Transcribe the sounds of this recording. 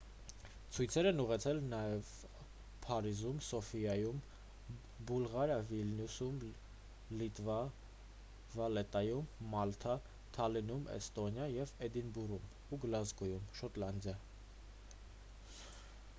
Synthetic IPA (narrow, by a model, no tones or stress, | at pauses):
t͡sʰujt͡sʰɛɾɛnuʁɛt͡sʰɛlnɑjɛv | pʰɑɾizumsɔfijɑjum | bulʁɑɾəvilnusum | lit̪vɑ | vɑlɛt̪ɑjumːɑlt̪ʰɑ | t̪ʰɑlinumʔɛ̰st̪ɔnjɑjɛvɛd̪inburum | uɡlɑzɡɔjumʃɔt̪lɑnd̪jɑ